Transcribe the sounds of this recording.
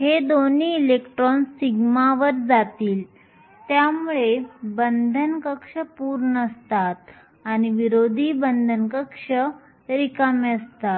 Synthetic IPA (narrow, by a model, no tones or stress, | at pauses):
ɦed̪oniːlekʈɾɔnsiɡmaʋəɾd͡zat̪iːl | t̪jamuɭebənd̪ʱənkəkʂəpuːɾɳəəst̪at̪̚ | aɽ̃iʋiɾod̪ʱiːbənd̪ʱənkəkʂə | ɾikameəst̪at̪